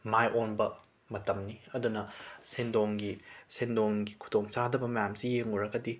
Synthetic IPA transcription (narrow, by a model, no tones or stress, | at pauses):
majʔonbɐ | mɐtɐmniɐdunɐsendoŋɡisendoŋɡikʰu̥toŋsadɐbɐmɐjamsijeŋuɾɐɡɐdi